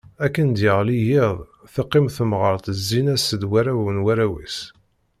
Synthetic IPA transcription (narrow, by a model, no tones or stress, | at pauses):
ækːənd̪jəʁlijɪðˤ | θɑqːimθəmʁəɾˤt̪əzːinæsəd̪wæɾæwənwæɾæwḭs